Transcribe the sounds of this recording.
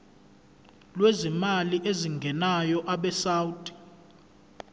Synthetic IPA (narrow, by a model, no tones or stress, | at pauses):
lwezimaliʔeziŋɡʱɛnajɔʔaɓɛsawdʼi̥